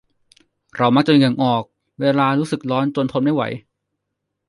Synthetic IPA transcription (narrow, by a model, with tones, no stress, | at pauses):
ɾa˧wma˦˥k̚t͡ɕa˧ŋa˨˩ŋʔɔː˨˩k̚ | weː˧laː˧ɾuː˦˥sɯ˨˩k̚lɔː˦˥nt͡ɕo˧ənt̪ʰo˧nma˥˩jwa̰˩˦j